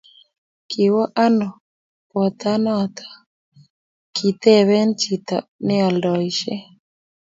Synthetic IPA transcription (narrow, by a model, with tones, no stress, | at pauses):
kʰɪ˨wɔ˦ʔa˦nɔ˨ | pɔ˨t̪a˦nɔ˦˨t̪ʰḁ˨ | kʰi˨t̪e˦˨βɛ˦nt͡ʃi˨t̪a̰˨nɪ˦a˨ldɔ˨ɪ˨ʃe˦